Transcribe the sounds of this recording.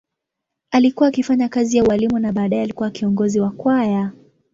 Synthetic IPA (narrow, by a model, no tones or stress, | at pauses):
alikuwaːkifaɲakazijauwalimunaɓaːɗaɛalikuwakiɔŋɡɔziwakwaja